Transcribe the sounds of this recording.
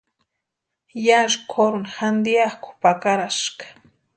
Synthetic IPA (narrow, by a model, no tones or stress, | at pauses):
jaʐkʰoɾʊnxand̪ijakʊ̥pakaɾaʃkḁ